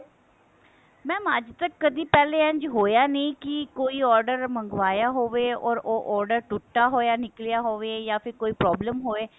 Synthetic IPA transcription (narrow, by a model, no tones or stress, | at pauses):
mɛ̃ːmad͡ʒt̪əkːəd̪iːpɛːleːə̃ɲd͡ʒɦoːjaːneĩːkɪkoːiːɔːɾɖəɾməŋɡʋaːjaːɦoːʋeːɔːɾoːʔɔːɾɖəɾʈʊʈːaːɦoːjaːnɪklijaːɦoːʋeːjaːpʰɪɾkoːiːpɾɔːbləmɦoːʋeː